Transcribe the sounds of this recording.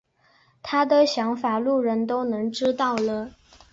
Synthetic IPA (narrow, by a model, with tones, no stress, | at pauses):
t̪ʰa˥d̪ə˨ɕjɑ˧˥ŋfa˨˩lu˥˩ɻə˧˥nt̪o˥ʊnɤ˧˥ŋʈ͡ʂɻ̩˥t̪ɑ˥˩ʊlə˩